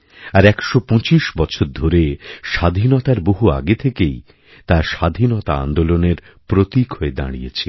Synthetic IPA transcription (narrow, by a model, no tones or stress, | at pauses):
aɾɛkʃopõt͡ɕiʃbɔt͡ɕʰoɾd̪ʱoɾeʃad̪ʱinɔt̪aɾboɦua̰ɡet̪ʰekej | t̪aʃad̪ʱinɔt̪aa̰nd̪oloneɾ | pɾot̪ikɦoed̪a̰ɽ̃ijet͡ɕʰe